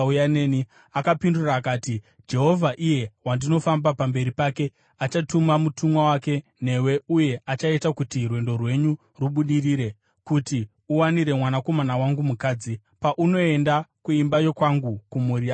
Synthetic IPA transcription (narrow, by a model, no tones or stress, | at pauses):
ujaneːni | akapinduraːkaːti | d͡ʒe̞ɦo̞vʱaʔije̞wandino̞fambapambe̞ɾipaːke̞ | at͡ʃatumamutʰumwawake̞ | ne̞we̞uje̞at͡ʃaitakutirwe̞ndo̞rwe̞ɲu | ruɓuɗiriːɾe̞ | kuti | uwaniɾe̞mwanako̞manawaŋɡumukaːd͡zi | paʔuno̞e̞ndakuimbajo̞kwaŋɡukumuria